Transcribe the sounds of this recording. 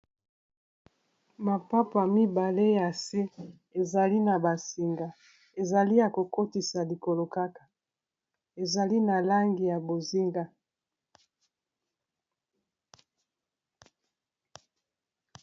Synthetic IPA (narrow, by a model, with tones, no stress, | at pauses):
ma˨pa˦pa˨mi˦ba˨le˦ja˨se˦ | e˨za˨li˦na˨ba˨si˨ŋɡa˨ | e˨za˨li˦ja˨ko˨ko˦ti˨sa˨li˨ko˨lo˨ka˦kḁ˨ | e˨za˨li˦na˨la˦ŋɡi˨ja˨bo˨zi˦ŋɡa˦